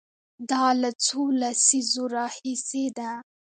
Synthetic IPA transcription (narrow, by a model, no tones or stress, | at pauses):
d̪ɑlat͡solasizoɾɑhised̪a